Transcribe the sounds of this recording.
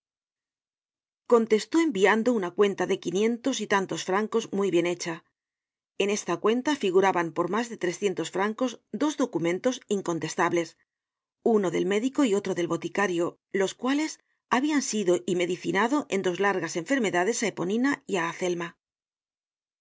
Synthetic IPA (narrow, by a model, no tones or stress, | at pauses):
ko̞nt̪e̞st̪o̞e̞mbiand̪o̞unakwe̞nt̪aðe̞kinjẽ̞nt̪o̞sit̪ant̪o̞sfɾaŋko̞zmujβje̞ne̞t͡ʃa | e̞ne̞st̪akwe̞nt̪afiɣ̞uɾaβampo̞ɾmazðe̞t̪ɾe̞sθje̞nt̪o̞sfɾaŋko̞zd̪o̞zðo̞kumẽ̞nt̪o̞siŋko̞nt̪e̞st̪aβle̞s | uno̞ðe̞lme̞ðiko̞io̞t̪ɾo̞ðe̞lβo̞t̪ikaɾjo̞ | lo̞skwale̞s | aβiansiðo̞ʔime̞ðiθinaðo̞ʔe̞nd̪o̞zlaɾɣase̞ɱfe̞ɾme̞ðaðe̞sae̞po̞nĩnaiaːθe̞lma